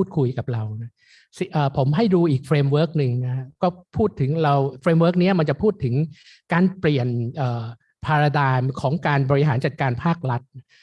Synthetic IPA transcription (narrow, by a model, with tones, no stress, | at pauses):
uː˥˩t̪̚kʰu˧jka˨˩p̚ɾa˧wna˦˥ | si˨˩ʔəː˨˩pʰo˩˦mɦa˥˩jduː˧ʔiː˨˩k̚fɾeː˧mwɤː˦˥k̚nɯ˧ŋna˦˥kʰa˦˥kɔː˥˩pʰuː˥˩t̪ʰɯ˩˦ŋɾa˧wfɾeː˧mwəː˦˥k̚ni˦˥ɐma˧nt͡ɕa˨˩pʰuː˥˩t̪ʰːɯ˩˦ŋ | kaː˧npli˨˩ənʔɤː˨˩ | pʰaː˧ɾa˧daː˧mkʰɔː˩˦ŋkaː˧nbɔː˧ɾi˦ɦaː˩˦nt͡ɕa˨˩t̪̚kaː˧npʰaː˥˩k̚ɾa˦˥t̪̚na˦˥